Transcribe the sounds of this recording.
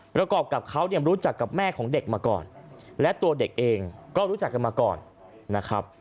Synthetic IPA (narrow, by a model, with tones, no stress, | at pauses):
pɾa˧kɔː˨˩p̚ka˨˩p̚kʰa˦˥wni˧mɾuː˦˥t͡ɕa˨˩kːa˨˩p̚mɛː˥˩kʰɔː˩˦ŋde˨˩k̚maː˧kɔ̰ː˨˩nlɛ˦˥ʔt̪u˧ɐde˨˩k̚ʔeː˧ŋkɔː˥˩ɾu˦˥t͡ɕa˨˩kːa˧˩maː˧kɔː˨˩nː | a˦˥kʰɾa˦˥p̚